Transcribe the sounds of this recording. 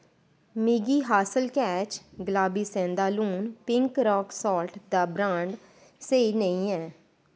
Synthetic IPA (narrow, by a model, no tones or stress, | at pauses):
mɪɡiːɦaːsəlkɛːt͡ʃɡəlaːbiːsɛ̃ːnd̪aːlũːnpɪ̃ŋkɾɔːksɔːlʈd̪aːbɾãːɳɖ | seinəĩːɛː